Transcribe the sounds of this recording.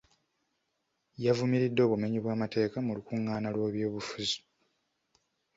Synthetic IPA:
javumiɾidːo̞ːβume̞ɲiβwaːmate̞ːkamulukuŋːaːnalwe̞ːβjo̞ːβufuzi̥

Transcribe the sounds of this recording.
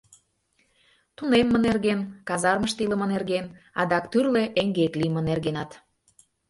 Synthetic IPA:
t̪unemːənerɣenkɑzɑrməʃt̪ilə̆mə̆nerɣen | ɑd̪ɑkt̪yrleʔeŋɡeklimə̆nerɣenɑt̪

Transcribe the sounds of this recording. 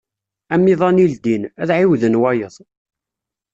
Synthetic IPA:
æmːiðˤɑnild̪inæðʕiwðənwæjəðˤ

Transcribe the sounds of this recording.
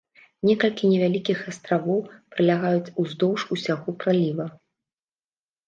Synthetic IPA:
nʲɛkɐlʲkʲinʲɛvʲalʲikʲixast̪ɾavɔwpɾɨlʲaɣajut͡sʲuzd̪ɔwʂusʲaɣɔpɾalʲivɐ

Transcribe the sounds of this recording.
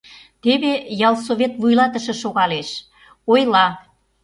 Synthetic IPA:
t̪eβejɑlˠsoβʲet̪βujlɑt̪ə̆ʃɤ̆ʃoɣɑleʃ | ojlɑ

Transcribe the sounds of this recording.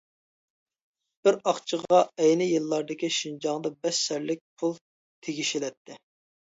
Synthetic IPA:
b̥ɪɾɑχt͡ʃʰəʁɑɛjnɪjɨlˠːɑɾd̪ɨkʲiʃind͡ʒɑŋd̪ɑbɛʃsɛɾlɪk̚ʲpʰulˠ | t̪ʰeɡʲiʃilɛt̪ʰːɪ

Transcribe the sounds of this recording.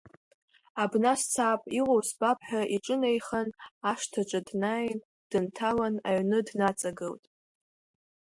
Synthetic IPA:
abnast͡sʰaːpʼiʁʷʼowsbapʰʼħʷᶣaʔiʈ͡ʂʼɨnejχanaʂtʰaʈ͡ʂʼadnajn | d̥ɨntʰalanaɥnɨdnat͡sʼaɡɨltʼ

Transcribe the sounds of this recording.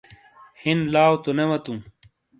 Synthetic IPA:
hinlaːwt̪onewɐt̪ũ

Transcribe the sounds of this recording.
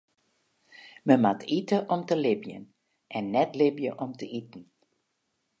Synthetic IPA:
məmatitəʔɔmtəlɪbjə̰n | ʔɛnːɛtlɪbjəʔɔmtəʔitn̩

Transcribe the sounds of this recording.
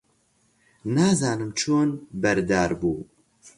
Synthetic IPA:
naːzaːnɨmt͡ʃʰoːnbɐɾd̪aːɾbuː

